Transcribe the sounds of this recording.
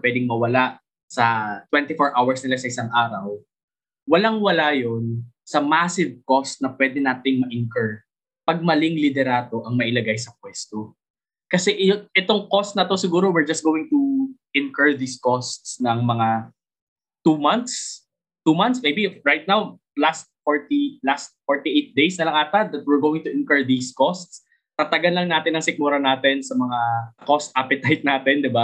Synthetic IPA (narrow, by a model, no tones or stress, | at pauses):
pwɛd̪ɪŋmɐwɐlaʔ | sɐt̪wɛnt̪ɪfoɹʔawɐɹsnɪlasɐʔɪsaŋʔaːɾɐw | wɐlaŋwɐlajon | sɐmasɪvkost̪̚nɐpwɛːd̪ɛnaːt̪ɪŋmɐʔɪnkɐɹ | pɐɡ̚mɐlɪŋlɪd̪ɛɾaːt̪o̞ʔɐŋmɐʔɪlɐɡajsɐk̚wɛst̪o | kɐsɛʔjoɛt̪oŋkost̪̚nɐt̪osɪɡuːɾowɪɹd͡ʒɐst̪ɡowɪŋt̪uʔɪnkəɹd̪iːskost̪snɐŋmɐŋa | t̪umant̪̚s | t̪umɐnsmejbiɹajt̪̚naw | last̪̚foɹt̪ilast̪̚foɹt̪iʔejt̪̚d̪ejsnɐlɐŋʔaːt̪ɐd̪ɐt̪̚wɪɹɡowɪŋt̪ʊʔɪnkɐɹd̪iːskost̪s | t̪ɐt̪ɐɡɐnlɐŋnaːt̪ɪnːɐŋsɪk̚muɾɐnaːt̪ɛnsɐmɐŋakost̪ʔapɛt̪ajt̪̚naːt̪ɛnd̪ɪba